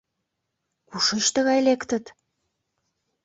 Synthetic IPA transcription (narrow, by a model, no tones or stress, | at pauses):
kuʃə̆ʃt̪ə̆ɣɑjlekt̪ə̆t̪